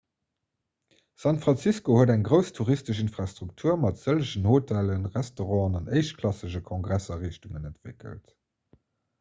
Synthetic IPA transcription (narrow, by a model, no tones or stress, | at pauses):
sɑntfʁɑnt͡siskohuədæŋɡʁəʊstʰuʁistəʃ̬infʁɑstʁ̥uk̚tʰuːɐmɑtz̥ələɕənhotʰælənʁæstoʁɑ̃ːnɑnəɪʃtkʰlɑsəʑəkʰɔ̃ŋɡʁæsɐʁiːʃtuŋənəntv̥ɪ̰kə̰lt